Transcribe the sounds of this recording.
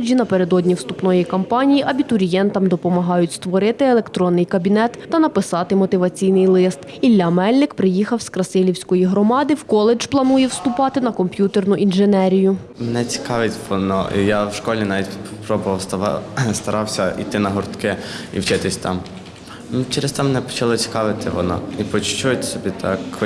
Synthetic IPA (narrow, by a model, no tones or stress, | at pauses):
d͡ʒʲinɐpeɾe̞d̪ɔdʲnʲiwst̪upnɔjikɔmpɑnʲijiʔɐbʲit̪ʊɾʲijɛnt̪ɐmd̪ɔpɔmɐɦɑjʊtʲst̪ʋɔɾɪt̪ɪelˠekt̪ɾɔnːɪjkɐbʲinɛt̪ːɐnɐpɪsɑt̪ɪmɔt̪ɪʋɐt͡sʲijnɪjlˠɪst̪ | ilʲːamɛlʲnɪkpɾɪjixɐwskɾɐsɪlʲiwsʲkɔjiɦɾɔmɑd̪ɪwkɔlˠed͡ʒplˠɐnujɛwst̪ʊpɑt̪ɪnɐkɔmpʲjut̪ernʊʔinʒenɛɾʲijʊ | menɛt͡sʲi̥kɑʋɪtʲʋɔnɔ̰ʔḭjawʃkɔlʲinɑʋʲitʲpɾɔbʊʋɐwst̪st̪ɐɾɑwsʲɐḭt̪ɪnɐɦɔrt̪kɪḭwt͡ʃɪt̪ɪsʲt̪ɑm | t͡ʃɛɾest̪ɛmenɛpɔ̥t͡ʃɐlˠɔt͡ssʲi̥kɑʋɪt̪ɪʋɔ̰nɔ̰ipɔt͡ʃt͡ʃujt̪sʲɔbʲit̪ʰɑ̰k